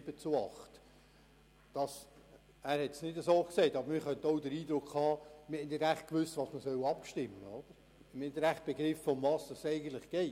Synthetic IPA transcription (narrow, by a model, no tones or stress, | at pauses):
bət͡suɑ̰χt | d̥ɑs | æːɾhɛtsnɪdəsoːksɛɪtɑbəɾmɪːɾχœntoʊdəɾiːd̪ɾʊkhɑːmɪhɛndɪdæχt̚kʋʏstvɑːsməsœwɑpʃtɪmːəod̥əɾ | mɪɛndəɾæχt̚b̥eɡɾɪfːʊmvɑːsɑsɛɪɡən̩t̪lɪχɡ̥ɛɪ